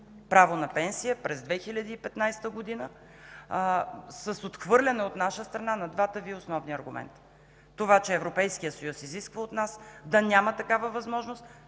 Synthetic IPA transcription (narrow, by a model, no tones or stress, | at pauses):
pɾavonɐpɛnsijəpɾɛzd̪vɛxilʲɐd̪iːpɛt̪najst̪əɡod̪inə | səsot̪xvɤɾlʲɐnɛot̪naʃəst̪ɾɐnanɐd̪vat̪əviosnɔvniɐɾɡʊmɛ̰nt̪ː | ovat͡ʃɛːvɾopɛjskijəsɐjusiziskvəot̪nasd̪ɐnʲamət̪ɐkavəvɐzmɔʒnost̪